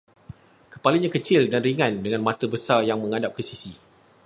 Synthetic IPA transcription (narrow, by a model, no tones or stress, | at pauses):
kəpaliɲãkət͡ʃɪldanriŋãndəŋãnmãt̪əbəsarjaŋmə̃ŋadap̚kəsisi